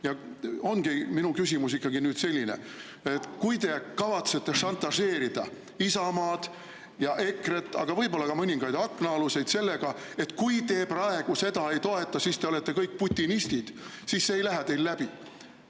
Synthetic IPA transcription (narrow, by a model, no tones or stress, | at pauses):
jɑo̞nɡ̥iminukysʲimusikːɑɡinyːd̪se̞lʲːinḛ | et̪kujt̪e̞kɑvɑt̪se̞t̪ːe̞ʃɑnt̪ːˑɑse̞ːɾid̪̥ɑ | isɑmɑːd̪̥ | jɑʔe̞kre̞t̪ːˑɑ̰ɡ̥ɑvɤjbo̞lːɑɡɑmɤnʲiŋɡ̥ɑjd̪ɑkːˑnɑɑluse̞jd̪se̞lːe̞ɡ̥ɑ | e̞t̪ːkujt̪e̞ːprɑe̞ɡ̥use̞d̪ɑe̞jt̪o̞e̞t̪ːˑɑsiːst̪eole̞t̪ːˑe̞kɤjk̚ːput̪ʲːˑinist̪id̪̥ | siːsːeejlæɦɛt̪e̞jlːæb̥i